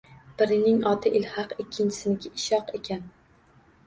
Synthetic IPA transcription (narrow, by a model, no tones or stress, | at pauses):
b̥ɪɾɪnɪŋɒt̪ʰɪʔɪlhɑqɪkʲʰːɪnt͡ʃʰɪ̥sɪnɪkʲʰɪʔɪʃɒqekʲʰan